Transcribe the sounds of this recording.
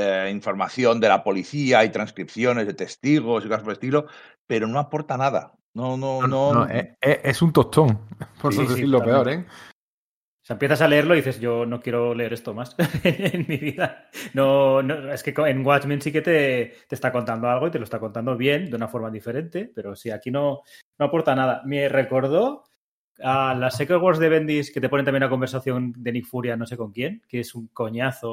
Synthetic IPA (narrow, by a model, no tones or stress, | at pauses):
eiɱfo̞ɾmaθjo̞nd̪elapo̞liθiaajt̪ɾanskɾipθjo̞ne̞zðet̪e̞st̪iɣ̞o̞siko̞saspoest̪ilo̞ | pe̞ɾono̞apo̞ɾt̪anaða̰ | nonoononoeeʔesunt̪ot͡ʃoŋpooðeθiɾlopeoɾe | saempjeθasale̞eɾloðiθe̞zʝo̞no̞kje̞ɾo̞leeɾe̞st̪o̞masenenmiβiðanonoe̞ske̞koeŋɡwat͡ʃmĩnsike̞t̪e̞t̪est̪ako̞nt̪and̪o̞alɣ̞o̞it̪elost̪ako̞nt̪and̪o̞βje̞nd̪eunafo̞ɾmaðife̞ɾe̞nt̪e̞pe̞ɾo̞siakino̞no̞apo̞ɾt̪anað̞ame̞re̞ko̞ɾð̞o̞ | alasekeɣwoɾzðe̞β̞e̞nd̪isket̪e̞po̞net̪amjenlako̞mbeɾsaθjo̞nd̪e̞nikfuɾjano̞se̞ko̞ŋkje̞nkeesuŋko̞ɲaθo̞